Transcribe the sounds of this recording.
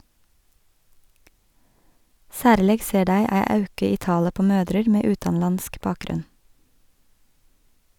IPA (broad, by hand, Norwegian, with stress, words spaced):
ˈsæːɾleːɡ ˈseː ˈɖæɪ ˈæɪ ˈɑʉkɪ ˈiː ˈtɑːlə ˈpoː ˈmøːdɾəɾ ˈmeː ˈʉːtɑnˌlɑnsk ˈbɑːkˌɡɾʉn